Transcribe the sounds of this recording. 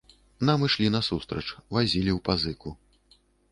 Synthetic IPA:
namɨʂlʲin̪ɐsust̪ɾɐt͡ʂvazʲilʲiwpazɨku

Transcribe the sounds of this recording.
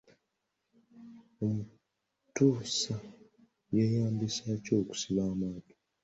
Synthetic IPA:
omu | tuːsa | je̞ːjaːmbisaco̞ːku̥siβaːmaːto̥

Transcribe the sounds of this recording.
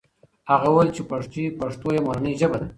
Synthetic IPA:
haɣawalt͡ʃepaʂt̪ipaʂt̪ojemoɾanəʒəbad̪a

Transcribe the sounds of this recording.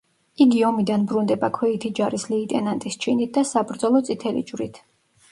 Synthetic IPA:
iɡiɔmid̪anbɾund̪ɛbakʰwɛit̪ʰid͡ʒaɾislɛːt̪ʼɛnant̪ʼist͡ʃʰinit̪̚ʰd̪asabɾd̪zɔlˠɔt̪sʼit̪ʰɛlḭd͡ʒwɾḭt̪ʰ

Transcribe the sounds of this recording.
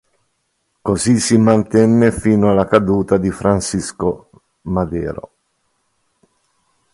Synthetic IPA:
kozisimant̪ɛnːefiːnoalːakad̪uːt̪ad̪ifɾansisko | mad̪ɛ̰ːɾo̰

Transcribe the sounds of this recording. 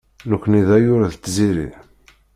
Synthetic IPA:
nukʷːniðæjʊɾæðt̪ːziɾḭ

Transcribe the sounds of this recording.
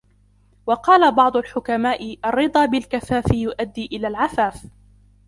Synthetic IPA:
wɑqɑːlabɑʕd̪ˤʊlħʊkamaːʔɪʔɑrːɨd̪ˤɑːbɪlkafaːfɪjʊʔad̪ːiːʔɪlaːlʕaθaːf

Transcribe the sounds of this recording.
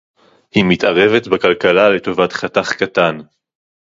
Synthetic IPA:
himitaʁe̞ve̞tbakalkalale̞to̞vatχataχkatan

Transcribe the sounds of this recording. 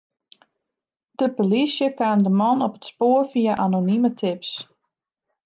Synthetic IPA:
d̥əpolisjəkaːmdəmɔnɔpə̥tspoːrfiaʔanonimətʰɪps

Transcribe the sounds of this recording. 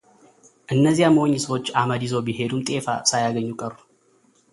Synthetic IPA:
ʔɨnːəzːijaməwoɲːsəwo̞t͡ʃːaməd̪izo̞bihe̞d̪umt̪ʼe̞fa̰sajaɡəɲːukʼəru̥

